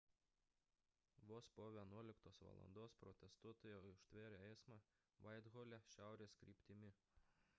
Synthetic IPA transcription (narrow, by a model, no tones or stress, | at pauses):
ʋoːspoːʋʲiɛnuɔlʲɪkt̪oːsʋɐ̰lˠɐ̰nd̪oːspɾɔt̪ʲɛst̪uɔt̪oːjoːʊʃt̪ʲʋʲeːɾʲoɛɪsmɑ | ʋɐɪd̪ɣoːlʲɛʃʲæˑʊɾʲeːskɾʲiːpʲt̪ʲɪmʲɪ